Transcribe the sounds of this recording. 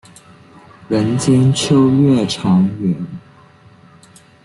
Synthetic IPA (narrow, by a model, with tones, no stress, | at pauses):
ɻə˧˥nt͡ɕjɛ˥nt͡ɕʰjo˥ʊɥɛ˥˩ʈ͡ʂʰɑ˧˥ŋɥɛ˧˥n